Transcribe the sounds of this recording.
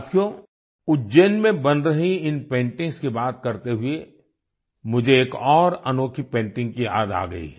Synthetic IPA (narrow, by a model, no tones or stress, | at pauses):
t̪ʰjo | ʊd͡ʒeːnmẽbɐnɾɐɦiɪnpẽːɳʈɪ̃ŋɡskibaːt̪kɐɾt̪eɦʊe | mʊd͡ʒʱeːkɔːɾɐnoːkʰipẽːɳʈɪ̃ŋɡ̚kia̰ːd̪a̰ːɡɐ̰ḭ